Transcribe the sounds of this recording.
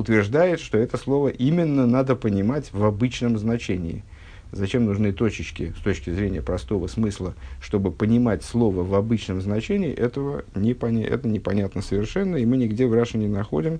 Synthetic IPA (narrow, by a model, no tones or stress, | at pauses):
ʊt̪vʲɪrʐd̪ajɪt̪ʂt̪o̞ɛt̪əslˠo̞vəʔimʲɪnːənad̪əpənʲɪmatʲvɐbɨt͡ɕnəmznɐt͡ɕenʲɪɪ̰ | zɐt͡ɕe̞mnʊʐnɨt̪o̞t͡ɕɪt͡ɕkʲɪ̰st̪o̞t͡ɕkʲɪzɾʲenʲɪjəpɾɐst̪o̞vəsmɨslˠəʂt̪o̞bɨpənʲɪmatʲslˠo̞vəvɐbɨt͡ɕnəmznɐt͡ɕenʲɪ̰ːʔɛt̪əvənʲɪpɐn̰ʲʔɛ̰t̪ənʲɪpɐnʲat̪nəsəvʲɪrʂɛnːəimɨnʲɪɡdʲevraʂɨnʲɪnɐxo̞̰dʲɪm